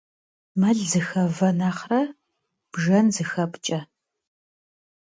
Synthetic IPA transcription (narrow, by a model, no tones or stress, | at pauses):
mɐɮzɨxɐvɐnaχrɐ | b̥ʒɐnzɨxɐpʼt͡ʃʼɐ